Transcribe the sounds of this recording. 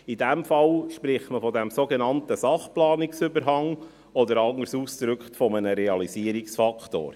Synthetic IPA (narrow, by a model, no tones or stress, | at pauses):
idæmfɑlʃpɾɪχtməfɔdɛmsoɡenɑnt̪əsɑχplɑːnɪksʏbəɾɦɑŋ | ɔd̪əɾɑŋəɾsuːsd̪̥ɾʏkχtfɔmənəɾɛɑliziəɾiksfɑkʰt̪o̰ːɾ